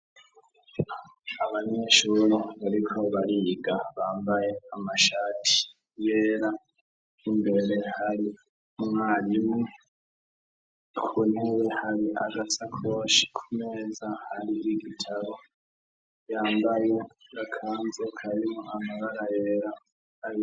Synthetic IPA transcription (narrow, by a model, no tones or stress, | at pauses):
aβaɲeːʃuɾoβaɾikʰo̞βaɾiɡaβaːmbaje̞amaʃaːtʰi̥ | jeːɾaː | mbe̞ɾe̞haɾi | uŋaːɾimŋe | kʰunewehaɾiʔaɡat͡sakʰo̞ːʃi̥kʰumeːzahaɾiʔiɡitʰaβo̞ | jaːmbaje̞ɡakʰaːnzekʰaɾimuʔamaɡaɾaje̞ːɾa | ai